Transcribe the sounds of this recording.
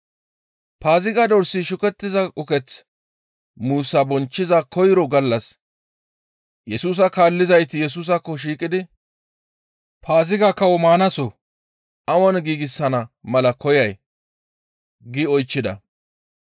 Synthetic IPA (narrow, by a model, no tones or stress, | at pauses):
paːzɪɡad̪ɔɾsiʃʊkɛt̪ːɪzɐʔʼʊkɛt͡s | muːsːɐbɔnt͡ʃːɪzɐkɔjɪɾɔɡɐlːɐs | jɛsuːs̬ɐkaːlːɪzɐjt̪ɪjɛs̬uːs̬ɐkːɔʃ̬iːkʼːɪd̪ɪ | pʰaːzɪɡakɐwɔmaːnɐsɔ | ʔɐwɔnɡiːɡɪsːɐnɐmɐlɐkɔjɐj | ɡɪɔjt͡ʃːɪd̪ɐ̰